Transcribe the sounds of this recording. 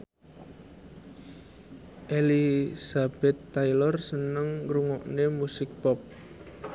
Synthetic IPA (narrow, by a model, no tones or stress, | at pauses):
ʔelisab̥ɛt̪ːajlɔrsənəŋɾuŋɔʔnemusɪk̚pɔp̚